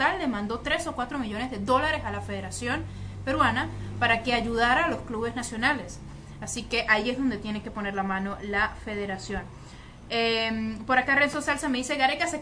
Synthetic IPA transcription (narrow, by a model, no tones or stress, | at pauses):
alːemãnd̪o̞t̪ɾe̞so̞kwat̪ɾo̞miʝo̞ne̞zðe̞ðo̞laɾe̞salafe̞ðe̞ɾasjo̞npe̞ɾwanapaɾake̞aʝuðaɾaːlo̞skluβe̞znasjo̞nale̞s | asike̞ʔaiezðo̞nd̪e̞t̪je̞neke̞pone̞ɾlamãno̞lafe̞ð̞e̞ɾasjo̞n | empo̞ɾakarensonsalsame̞ðise̞ɣaɾekase